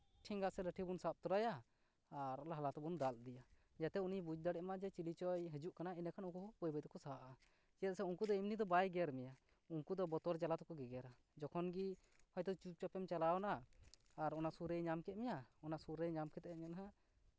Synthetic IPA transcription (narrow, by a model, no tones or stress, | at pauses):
ʈʰiŋɡaʔsɛləʈʰibunsap̚t̪uɾajaː | ɾɔlaɦalat̪ɔbund̪ald̪ija | d͡ʒat̪ɛunibud͡ʒd̪aɽɛʔmad͡ʒɛt͡ʃilit͡ʃɔjɦəd͡ʒuʔkanainakʰanukuɔpɔjbəd̪ɔkɔsaɦaʔa | kɛət̪̚sɛuŋkud̪ɔimnid̪ɔbajɡjaɾmɛja | uŋkud̪ɔbɔt̪ɔɾd͡ʒalat̪ɔkɔɡɛɡɛɾa | d͡ʒɔkʰɔnɡi | hɔjd̪ɔt͡ʃut͡ʃapɛmt͡ʃalaɔnaː | ɾɔnasuɾəjɲamkɛt̪̚mɛjaɔnasuɾəjɲamkʰɛt̪ɛɲanɦa